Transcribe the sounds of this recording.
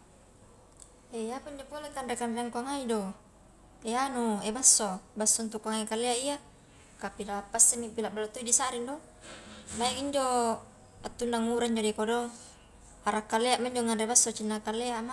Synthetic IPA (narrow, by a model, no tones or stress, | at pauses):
ejapiɲd͡ʒopolekanrekanraŋkaŋaido | eanuebasːobasːont̪ukːaŋaikalːeaija | kapilapːasːemipilaʔbalot̪oidisaɾindo | majaŋiɲd͡ʒo | at̪ːundaŋuɾaɲd͡ʒodikodo | aɾakːaleaʔmaɲd͡ʒoŋanrebasːot͡ʃinːakalːeama